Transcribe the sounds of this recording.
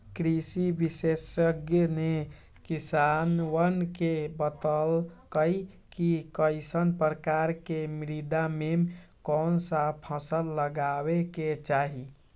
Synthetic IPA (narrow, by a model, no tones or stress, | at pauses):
kɾisibisesəɡjəne | kisanwənkebət̪əlkəi | kikəɪsənpɾəkaɾkemɾid̪amem | kɔnsapʰəsəlːəɡaweket͡ʃaɦi